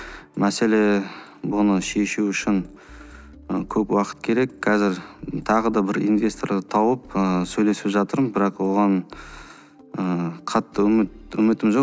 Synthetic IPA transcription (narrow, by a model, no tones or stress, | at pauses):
mæse̞le̞ | bʊnəʃe̞ʃuʏʃɪŋ | əkʲʰɵpwɑqə̥t̪kʲʰe̞ɾe̞kːʰɑzɪɾt̪ʰɑʁəd̪ɑbɪɾḭnvʲe̞st̪o̞rd̪ət̪ʰɑwəpəsɵjle̞sɪpʒɑt̪əɾmənbɪɾɑqwo̞ʁɑn | əqʰɑt̪ːəmɪt̪̚ɵmɪt̪ɪmʒo